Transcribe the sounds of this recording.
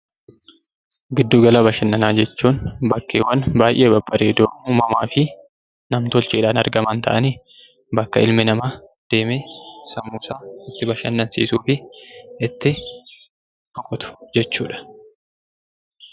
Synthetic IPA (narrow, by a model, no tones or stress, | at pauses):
ɡɪd̪ːuːɡɐlaːbɐʃɐnːɐnaːd͡ʒɛt͡ʃːuːnbɐkːeːwɐnbaːjʔeːbɐbːɐɾeːd̪oːmuːmɐmaːfɪ | nɐmt̪ɔlt͡ʃiːᶑaːnɐɾɡɐmɐnt̪ʰɐ̰ʔɐniː | bɐkːɐɪlmɪnɐmad̪̥e̞ːmeːsɐmːuːsaːɪt̪ːɪbɐʃɐnːɐnsḭːsuːfɪɪt̪ːɪ | fɔkʼɔt̪ʊ̥d͡ʒɛt͡ʃːuːᶑɐ̥